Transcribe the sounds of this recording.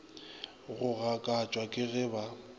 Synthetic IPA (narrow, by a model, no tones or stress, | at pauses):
ɣʊɣakʼat͡ʃʼwakʼɪɣɛba